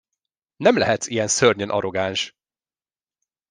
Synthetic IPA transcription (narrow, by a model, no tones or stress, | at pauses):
nɛmlɛɦɛt̪sijɛnsørɲønʔɒ̰ɾoɡaːnʃ